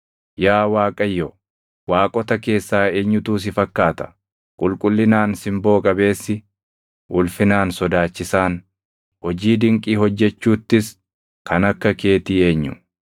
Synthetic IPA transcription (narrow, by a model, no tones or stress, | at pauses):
jaːwaːkʼɐjːɔ | waːkʼɔt̪ɐke̞ːsːaːe̞ːɲːʊt̪uːs̬ɪfɐkːaːt̪ɐ̥ | kʼʊlkʼʊlːɪnaːnsɪmbo̞ːkʼɐbe̞ːsːɪ | ʔʊlfɪnaːnsɔd̪aːt͡ʃːɪsaːn | hɔd͡ʒiːd̪ɪŋkʼiːhɔd͡ʒːɛt͡ʃːuːt̪ːɪs | kɐnɐkːɐke̞ːt̪iːe̞ːɲːʊ̰